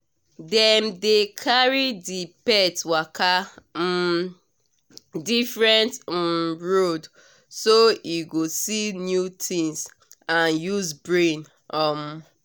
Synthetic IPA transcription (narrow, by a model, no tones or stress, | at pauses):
dɛmdekʰaɹidipɛtwakʰa | difɹɛ̃nt̩ | ɹod | soiɡosinjutʰĩŋs | ãnjuzbɹẽn | ɔm